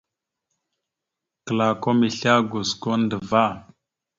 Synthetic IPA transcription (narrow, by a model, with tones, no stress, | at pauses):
kə˨la˨ko˦mi˨ɬa˦ɡo˨sko˦ndə˨va˦˨